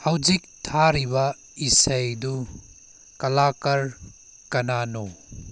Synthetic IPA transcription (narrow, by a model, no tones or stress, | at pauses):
hɐwzik̚tʰaɾibɐ | isɐjdu | kɐlakɐɾ | kɐnano